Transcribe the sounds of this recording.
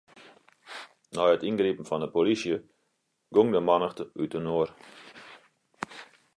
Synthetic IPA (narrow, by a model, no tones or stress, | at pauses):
nɔjətinɡripm̩fɔndəpolisjə | ɡ̥oŋdəmɑnəxtəytənoər